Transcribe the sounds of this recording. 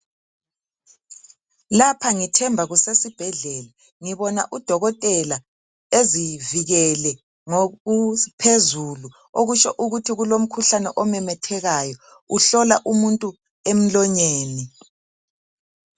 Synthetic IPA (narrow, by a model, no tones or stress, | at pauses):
lapʰaŋitʰɛmbʱaɣusesib̥ʱɛɮɛla | ŋiβɔna̰ʔud̥ʱɔɣɔtʼɛla | eziviɣɛlɛ | ŋoupʰezulu | oɣut͡ʃɔʔuɣutʰiɣulom̩kʰuɬanɛʔɔmɛmɛtʰɛɣajɔ | uɬɔlaʔumuntʼu | em̩lɔɲeːni